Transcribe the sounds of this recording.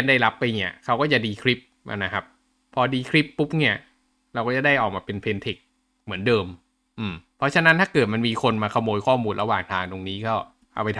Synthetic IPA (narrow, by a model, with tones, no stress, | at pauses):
ɛ˧˥nda˥˩jla˦˥pːa˧jni˦˩ɐkʰa˦wkɔ˥˩t͡ɕa˨˩diː˧kʰɾi˦˥p̚ | ma̰˧na˦˥kʰa˦˥p̚ | pʰːɔː˧diː˧kʰɾi˦˥pːu˦˥p̚ni˥˩ɐ | ɾa˧wkɔː˥˩a˨˩da˥˩jʔɔː˨˩k̚maː˧pe˧npʰe˧nt̪ʰe˨˩k̚ | mɯ˩˦əndɤː˧m | ʔɯː˨˩mpʰɔ˦˥t͡ɕʰa˧na˦˥nt̪ʰaː˥˩kɤː˨˩t̪̚ma˧nmiː˧kʰo˧nmaː˧kʰa˧moː˧jkʰɔː˥˩muː˧nɾa˧waː˨˩ŋt̪ʰaː˧ŋt̪o˧ŋniː˦˥kʰa˦˥˩ | ʔa̰˧wpa˧jt̪ʰ